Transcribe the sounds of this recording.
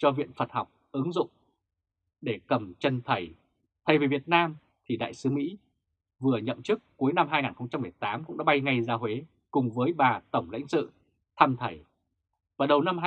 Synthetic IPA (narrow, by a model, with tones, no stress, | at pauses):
t͡ɕɔ˧vḭ˧˨ənfə˨˩t̚ha˨˩wk͡p̚ʔɨ˨˦ŋzʊ̰˧˨ŋ͡m | ɗe˧˩kə˨˩mt͡ɕə˧nt̪ʰə˧˩j | t̪ʰə˨˩jvi˨˩vi˨˩ət̚naː˧m | t̪ʰi˨˩ɗa̰ː˧˨jsɨ˨˦mḭ˧˥ | vɨ˨˩əɲə̰˧˨mt͡ɕɨ˦˥kːu˨˦əjna˧mɦaː˧jŋaː˨˩nxə˧wŋ͡mt͡ɕa˧mːɨ˨˩əjt̪aː˨˦mkʊ̰˧˥ŋ͡mɗaː˧˥˦ɓa˧jŋa˧jzaː˨˦ɦwe˨˦ | kʊ˨˩ŋ͡mvəː˨˦jɓaː˨˩t̪ə˧˩wŋ͡mla̰˧˥ŋ̟sɨ̰˧˨ | t̪ʰa˧mt̪ʰə˧˩j | vaː˨˩ɗə˨˩wna˧m˧